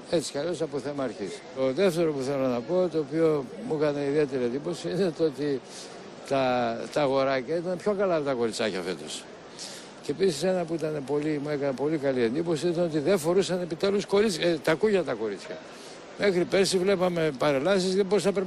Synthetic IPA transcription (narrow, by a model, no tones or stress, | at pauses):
e̞t͡si̥kɐʎo̞sɐpoθe̞mɐːɾçist̪o̞ðe̞ft̪e̞ɾopuθe̞lo̞nɐpo̞t̪o̞ːpio̞mukɐne̞iðie̞t̪e̞ɾie̞nd̪iposiine̞t̪oo̞t̪i | t̪ɐt̪ɐːɣo̞ɾɐcɐit̪ɐnepço̞kɐlɐpot̪ɐko̞ɾit͡sɐcɐ̰fe̞̰t̪o̞̰s | ceːpisise̞nɐpuit̪ɐne̞po̞limue̞kɐnepo̞likɐlie̞nd̪ipo̞siint̪ɐno̞t̪̬iðeɱfo̞ɾusɐne̞pit̪e̞lusko̞ɾit͡st̪ɐkuʝɐt̪ɐko̞ɾit͡sçɐ | me̞xɾipe̞sivle̞pɐme̞pɐɾelɐsizðebo̞ɾisnɐpɾp